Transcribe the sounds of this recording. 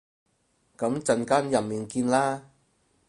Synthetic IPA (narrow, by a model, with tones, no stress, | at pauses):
kɐ˨˥mt͡sɐ˧nkaː˥njɐ˨mmiː˨nkiː˧nlaː˥